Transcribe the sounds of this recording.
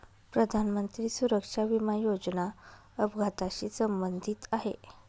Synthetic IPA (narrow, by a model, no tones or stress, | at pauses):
pɾəd̪ʱanmənt̪ɾiːsuɾəkʂaʋimajod͡zna | əbɡʱat̪aɕiːsəmbənd̪ʱiːt̪aɦḛ